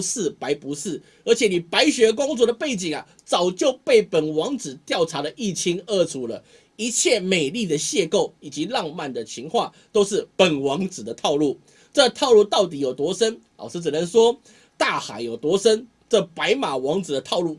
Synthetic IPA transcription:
sɹ̩˥˩pa˧˥ɪpu˧˥sɹ̩˥˩ | ə˞˧˥t͡ɕʰjɛ˨˩ni˨˩pa˧˥ɪɕɥɛ˧˥k̬ʊ˥ŋt͡swɔ˥˩d̪ə˩pe˥˩ɪt͡ɕi˨˩ŋɐ˦ | t͡sɑ˨˩ʊt͡ɕjo˥˧ʊpe˥˩ɪpə˨˩nwɑ˧˥ŋt͡sɹ̩˨˩t̪jɑ˥˩ʊʈ͡ʂʰa˧˥lə˨ʔi˥˩t͡ɕʰi˧˥ŋə˥˩t͡sʰu˨˥lə˨ | i˧˥t͡ɕʰjɛ˥˩me˨˩ɪli˥˩d̪ə˩ɕjɛ˥˧ko˥˩ʊi˨˩t͡ɕi˧˥˦lɑ˥˧ŋma˥˨˩nd̪ə˨˩t͡ɕʰi˧˥ŋxwa˥˩ | t̪o˥ʊʂɻ̩˥˩pə˨˩nwɑ˧˥ŋt͡sɹ̩˨˩d̪ə˦t̪ʰɑ˥˧ʊlu˥˩ | ʈ͡ʂɤ˥˨t̪ʰɑ˥˧ʊlu˥˧t̪ɑ˥˩ʊt̪̬i˨˦jo˨˩ʊt̪wɔ˧˥sə˥n | a̰˨˩ʊʂɻ̩˥˩t͡s̩˨˩nə˧˦nswɔ˥ | t̪a˥˩xa˨˩˦ɪjo˨˩ʊt̪wɔ˧˥sə˦˥n | ʈ͡ʂə˥˧pa˧˥ɪma˨˩wɑ˧˥ŋt͡sɹ̩˨˩d̪ə˦t̪ʰɑ˥˧ʊlu˥˩

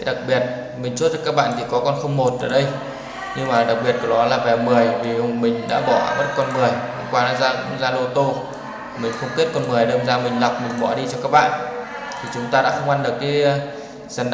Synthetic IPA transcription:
ɗa˨˩k̚ɓi˨˩ət̚ | mi˨˩ŋ̟t͡ɕu˦˥t̚zə˦˧˩kːaː˦˥k̚ɓa̰ː˧˨nt̪ʰi˨˩kɔ˨˦kɔ˧nxə˧wŋ͡mmo˨˩t̚ʔəː˧˩ɗə˧j | ɲɨ˧ŋmaː˨˩ɗa˨˩k̚ɓi˨˩ət̚kɔ˨˧˩ɗɔ˨˦laː˨˩vɛ˨˩mɨ˨˩əjvi˨˩mï˨˩ŋ̟ɗa̰ː˧˥ɓɔ˧˩m˦˥t̚kɔ˧nmɨ˨˩əjhŋ͡mkwaː˧laː˨˦zaː˧zaː˧lo˧t̪o˧ | mï˨˩ŋ̟xə˧wŋ͡mke˦˥t̚kɔ˧nmɨ˨˩əjɗəː˧nzaː˧mï˨˩ŋ̟la˨˩wk͡p̚mï˨˩ŋ̟ɓɔ̰˧˩ɗi˧t͡ɕɔ˧kaː˦˥k̚ɓa̰ː˧˨ʔ | t̪ʰi˨˩t͡ɕʊ˨˦ŋ͡mt̪aː˧ɗa̰ː˧˥xə˧ŋ͡mʔa˧nɗɨ˨˩ək̚ːaː˨˦˧ | zə˨˩nɗ

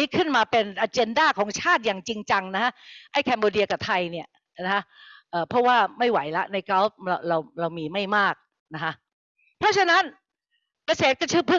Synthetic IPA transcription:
iː˦˥kʰɯ˥˩nmaː˧pe˧nʔa˧t͡ɕe˧ndaː˥˩kʰɔː˩˦ŋt͡ɕʰaː˥˩t̪̚jaː˨˩ŋt͡ɕi˧ŋt͡ɕa˧ŋna˦˥kʰa˦˥ʔa˥˩jkʰɛː˧mboː˧di˧ɐka˨˩p̚t̪ʰa˧jni˥˩ɐ | a˦˥kʰa˦˥ʔʔɤː˨˩pʰɾɔ˦˥waː˥˩ma˥˩jwa˩˦jla˦˥ʔna˧jka˦˥ɾa˧wɾa˧wɾa˧wmiː˧ma˥˩jmaː˥˩k̚ | na˦˥kʰa˦˥ʔ | pʰɾɔ˦˥t͡ɕʰa˧na˦˥n | ka˧seː˨˦˩t̪̚kɔ˥˩t͡ɕʰɯ˦˥pʰu˦˥˩

